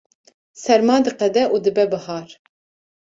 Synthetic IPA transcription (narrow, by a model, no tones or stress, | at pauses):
sɛɾmɑːd̪ɨqɛd̪ɛʔuːd̪ɨbɛbɨhɑːɾ